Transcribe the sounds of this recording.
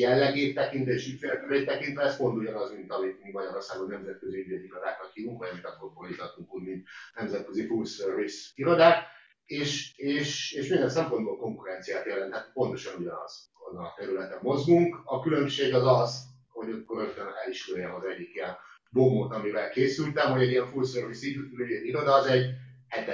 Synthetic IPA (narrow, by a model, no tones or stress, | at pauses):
jɛlːɛɡeːtt̪ːɛkint̪ɛeːʃyt̪feɾɛt̪ɛɾeːt̪t̪ːɛkint̪ʋɛɛspo̞nt̪uɟɒnɒzmint̪ɒmit̪mivɒɟɒɾorsaːɡonːɛmzɛt̪̚kø̞ziynd̪ed̪iɾod̪a̰ːkɒt̪hiːvuŋkʋɒjmit̪ɒt̪korborit̪ɒt̪ːuŋkuːɟmint̪nɛmzɛt̪̚køzifulsørvisiɾo̞d̪aːk | eːʃeːʃeːʃmind̪ɛnsɛmpo̞nd̪boːlko̞ŋkuɾɛnt̪sijaːt̪jɛlɛnt̪hɛt̪po̞nt̪o̞ʃɒnuɟɒnɒ̰z̥ | o̰nɒt̪ɛɾylɛt̪ɛmːo̞zɡuŋkɒkylø̞mʃeːɡɒzɒz | ho̞ɟɒkːoɾøt̪ːønɛliʃkuɾjɛɦozɛɟːikijɛn | bomot̪ɒmivɛlkeːsylt̪ɛmɦoɟɛɟijɛɱfulsørvisinyɛniɾo̞d̪ɒːzɛɟ | ɛt̪ːɛ